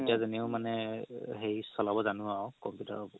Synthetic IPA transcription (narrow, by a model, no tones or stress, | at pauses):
etijazɛnɛʊmanɛɦejsɔlabɔzanʊaʊkɔmpjuta̰